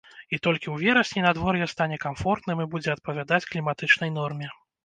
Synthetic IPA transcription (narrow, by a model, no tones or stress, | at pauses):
it̪ɔlʲkʲiwvʲɛɾɐsʲnʲinad̪vɔrjɛst̪anʲɛkamfɔrt̪nɨmibud͡zʲɛɐt̪̚pɐvʲad̪at͡sʲklʲimat̪ɨt͡ʂnɐjn̪ɔrmʲɛ